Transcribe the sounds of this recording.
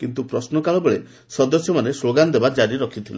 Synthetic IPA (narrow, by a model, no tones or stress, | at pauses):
kint̪upɾɔsnɔkaɭɔbeɭe | sɔd̪ɔsjɔmanesloɡand̪ebad͡ʒaɾiɾɔkʰit̪ʰila